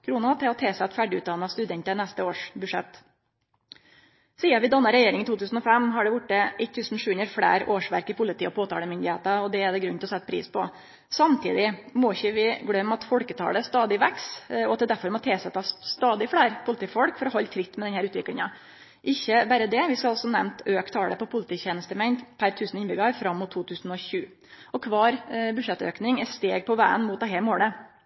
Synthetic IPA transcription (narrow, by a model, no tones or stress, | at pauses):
kʰɾuːnɑɑt̪ʰɛɔt̪ʰeːsɛt̪fæɖɪʉ̰ːt̪̚d̪ɑnːɑst̪ʉd̪ɛnt̪ənæst̪əoːʂbʉʂɛ̰t̪ː | siːɑʋɪd̪ɑnːɑɾɛjeːɾɪŋt̪uːt̪ʉːsn̩ɔfɛmːɦɑɖɛʋʊʈːəɪt̪ʰːʉːsn̩ʂʉːʉnɾəɾfɽæ̰ːɾoːʂʋæ̰ɾkɪpʰʊlɪt̪iːɔpʰoːt̪ʰɑ̰ːləmʏnd̪ɪheːt̪ɑɔd̪ɛæɖɛɡɾʉnt̪lɔsɛt̪ːəpʰɾḭːspɔ | sɑmt̪ʰiːd̪ɪmɔɪçəʋɪɡlœmːɑt̪fɔlkət̪ʰɑ̰ːləst̪ɑːd̪ɪʋæksɔɑt̪̚d̪ɛd̪æɾfɔɾmɔt̪ʰeːsət̪ʰɑsst̪ɑːd̪ɪfɽæːɾpʰʊlɪt̪iːfɔɽkfɔɾɔɦɔlːt̪ʰɾɪt̪ːmɛd̪ɛnhæːɾʉːt̪ʋɪkɽɪŋɑ | ʔɪçːəbæːɾəd̪ɛʋɪskɑlɑlsɔnɛmnt̪øːkt̪ʰɑːlə̰pɔpʰʊlɪt̪iːçeːnəst̪əmɛɪnd̪pʰæɾt̪ʰʉːsnɪnbʏɡɑɾfɾɑmːʊt̪ʰːuːt̪ʰʉːsn̩ɔɕʉː | ɔkʰʋɑːɾbʉʂɛt̪ːø̰ːknɪŋɛt̪st̪eːɡ̚pʰɔʋæːənmuːt̪̚d̪ɛɦæmoːlə